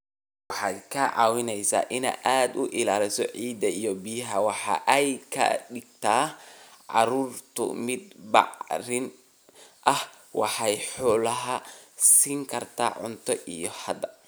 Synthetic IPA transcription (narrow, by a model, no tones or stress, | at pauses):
wɑħɑːd̪kʰɐʕɑ̰ːwɪnɛjsa̰ːʔɪnɛ̰jʔaːd̪ʊʔɪlaːlɪsɔʕiːd̪ɐijɔbijɐɦɐwɑħɑ̰ːʔɛjkʰɐ̰ɖɪɡt̪ʰaːʕɑ̰ɾuːrt̪ʰʊ̰mɪd̪̚bɑ̰ʕrɪn | ʔɐh | wɑħɑjħɔːlɐɦɐsiːŋkʰɐrt̪ʰa̰ːʕʊnt̪ʰɔʔḭjɔhɐd̪ɐ